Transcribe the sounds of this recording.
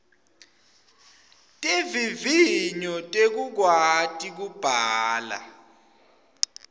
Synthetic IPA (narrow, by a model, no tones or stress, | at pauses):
tʼeviviɲɔtʼek̬uk̬watʼik̬ub̥ʱaːla̰